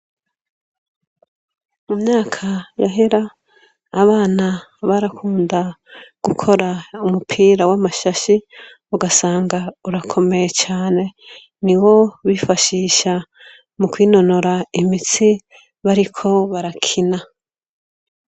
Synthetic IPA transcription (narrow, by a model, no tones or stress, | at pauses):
mumɲaːkʰajaɦeɾaː | βaːnaβaɾakʰuːndaɡ̥ukʰo̞ɾaumupʰiːɾawamaʃaʃi | uɡasaːŋɡauɾakʰo̞me̞jet͡ʃaːne̞ | niwo̞βifaʃiːʃa | mukwiːno̞no̞ɾaimit͡si | βaɾikʰo̞βaɾakʰina